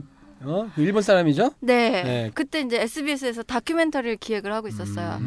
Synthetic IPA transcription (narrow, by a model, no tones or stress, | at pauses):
ʌiɭbons͈ʰaɾamid͡ʑone̞nekɯt͈e̞ind͡ʑe̞ːs͈ʰɯbies̬͈ʰɯes̬ʰʌtakʰume̞ntʰʌɾɯɭkiwe̞ɡɯɭhaɡois͈ʌs͈ʌjo̰